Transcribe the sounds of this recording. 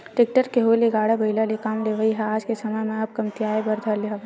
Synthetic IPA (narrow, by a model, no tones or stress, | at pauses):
ʈɪk̚ʈəɾkeɦoːiliɡaːɽabɐɪlalikaːmleʋəiɦɛaːd͡ʒkesɐməjmẽɐb̚kɐmt̪ijaːebɐɾd̪ʱɐliɦɐ